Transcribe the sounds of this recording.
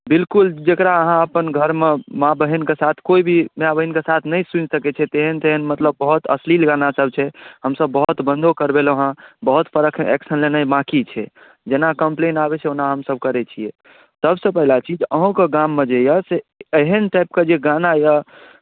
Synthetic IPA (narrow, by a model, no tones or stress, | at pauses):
bilkuld͡ʒekɾaəɦãəpənɡʱəɾmemabəɦinkesat̪ʰkoibʱimeabəɦinkesat̪ʰnəjsunsəkɛt͡ʃʰɛt̪eɦənt̪eɦənmət̪ləb̚ːəɦut̪əslilɡanasəb̚ʱt͡ʃʰɛɦəmsəbːəɦut̪bə̃nd̪ʱokəɾbeləɦãbəɦut̪pəɾəkʰɛ̰ksənlenajmãkit͡ʃʰɛ | d͡ʒenakəmplenabɛt͡ʃʰɛonaɦəmsəb̚kəɾɛt͡ʃʰije | t̪əbsə̃pəɦilat͡ʃʰid͡ʒəɦõkeɡamːed͡ʒejəseeɦənʈajp̚ked͡ʒeɡanaja